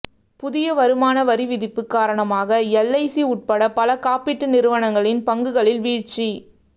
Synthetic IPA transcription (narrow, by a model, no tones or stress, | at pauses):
pʊðɪjɐʋɐɾɯmaːnɐʋɐɾiʋɪðɪpːɯkːaːɾɐɳɐmaːɣɐɛlːɐɪsiʊʈ̚pɐɽɐpɐlɐkaːpɪʈːɯnɪɾɯʋɐɳɐŋɡɐɭɪnpɐŋɡɯɣɐɭɪlʋiːɻt͡ʃi